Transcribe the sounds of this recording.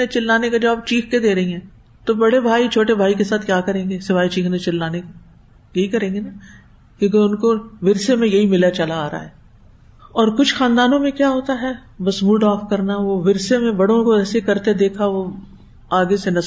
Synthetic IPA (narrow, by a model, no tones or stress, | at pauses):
et͡ʃɪlːaːnekad͡ʒaːb̚t͡ʃiːkʰked̪eːɾɐɦĩɦɛ̃ː | t̪obɐɽebʱaːit͡ʃʰoːʈebʱaːikesaːt̪ʰkjaːkɐɾẽːŋɡesɪʋaːit͡ʃiːknet͡ʃɪlːaːneka | jɐɦikɐɾẽːŋɡena | kjũːk̬eʊnkoʋɪɾsemẽjɐɦimɪlat͡ʃɐlaːɾa̰ːɦɛː | ɔːɾkʊt͡ʃʰxaːnd̪aːnõmẽkjaːɦoːt̪aɦɛːbɐsmuːɖɔːfkɐɾnaʋoʋɪɾsemẽbɐɽõkoɛːsekɐɾt̪ed̪eːkʰaʋo | aːɡesenɐs